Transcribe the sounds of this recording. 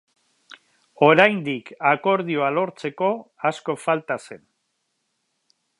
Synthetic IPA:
o̞ɾajnd̪ikako̞ɾð̞io̞alo̞ɾt͡se̞ko̞asko̞falt̪ase̞n

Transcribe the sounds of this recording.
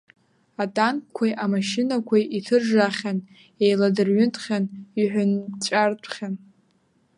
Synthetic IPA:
atʼankʷʰajʔamaʃɪnakʷʰajʔitʰɨrʒaχʲan | ejladɨrɥʏntʰʼχʲaniħʷᶣʊnt͡ʃʷʼartʷʰʼχʲan

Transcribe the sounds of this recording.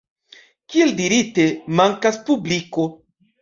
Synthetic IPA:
kieldiɾite̞maŋkaspubliko̞

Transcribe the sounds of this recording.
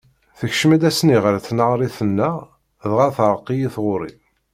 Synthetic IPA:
θəçʃmæd̪æsniʁɾθnəʁɾˤiθənːæ | ðʁaθɾˤəqːijiθʁʊɾḭ

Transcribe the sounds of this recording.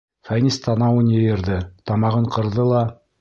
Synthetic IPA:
fænʲist̪ʰɑnɑwɤnjɤ̆jɤ̆ɾðɘt̪ɑmɑʁɤɴqɤ̆ɾðɤlˠɑ

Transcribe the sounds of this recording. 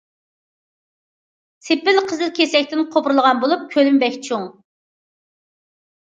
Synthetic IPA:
sʰepɪlqʰəzɨlkʲʰesɛkʲt̪ɪnqʰopʰɾlˠəʁɑnbolˠup̚kʲʰølymbɛkʲt͡ʃʰuŋ

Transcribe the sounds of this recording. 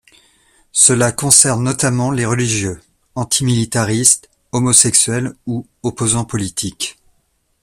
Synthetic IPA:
səlakɔ̃sɛʁnːɔt̪amɑ̃leʁəliʒjø | ɑ̃t̪ʰimilit̪aʁist̪ | ɔmɔsɛksɥɛlu | ɔpozɑ̃pɔlit̪ʰik

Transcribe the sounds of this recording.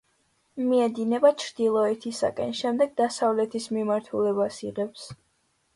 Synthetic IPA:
miɛd̪inɛbat͡ʃʰɾd̪ilˠɔɛt̪ʰisa̰kʼɛ̰nʃɛmd̪ɛɡ̚d̪asavlɛt̪ʰismimaɾt̪ʰulɛbasiʁɛps

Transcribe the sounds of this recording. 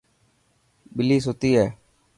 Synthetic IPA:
ɓɪliːsoːt̪iːɦɛː

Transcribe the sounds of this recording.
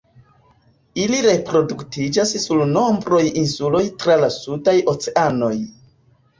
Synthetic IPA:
iliɾe̞pɾo̞duktid͡ʒassulno̞mbɾo̞jinsulo̞jtɾalasudajo̞t͡seʔano̞j

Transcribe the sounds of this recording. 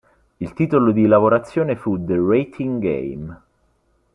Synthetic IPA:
ilt̪iːt̪olod̪ilavoɾat̪sːjoːnefud̪eret̪ʰiŋɡḛjm

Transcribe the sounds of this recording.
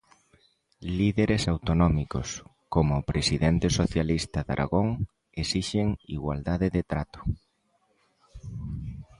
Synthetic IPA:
liðeɾesawt̪onɔmiko̰s | komʊːpɾesiðɛnt̪ɪsoθjalist̪ɐða̰ɾʔa̰ɣoŋ | esiʃeŋiɣwa̰ld̪aðɪðet̪ɾat̪ʊ̥

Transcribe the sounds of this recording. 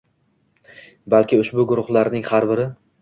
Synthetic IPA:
balˠkʲɪʊʃbʊɡʊɾʊχlˠaɾnɪŋhaɾbɪɾɪ

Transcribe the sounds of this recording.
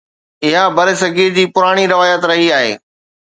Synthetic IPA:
ɪɦabʱɐɾɪsɐɡiɾd͡ʑiːpʊɾaːɽ̃iɾɐʋaːjət̪ɾɐɦiaːɦḛː

